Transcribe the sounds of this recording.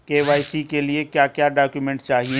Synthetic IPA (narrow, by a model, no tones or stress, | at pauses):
keːʋaːɪsikeliekjaːkjaːɖaːkjumɛ̃ːɳʈt͡ʃaːɦie